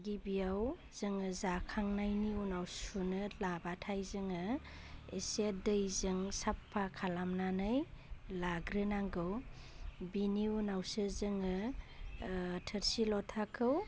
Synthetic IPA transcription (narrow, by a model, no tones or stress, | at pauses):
ɡibiaw | z̥ɯŋɯzakʰaŋnajniunawsunɯlabatʰajzɯŋɯ | esedɯjzɯŋsapʰːakʰalamnanɯjlaɡɾɯnaŋɡɯw | biniunawsɯzɯŋɯ | tʰəɾsilɔtʰakʰɯw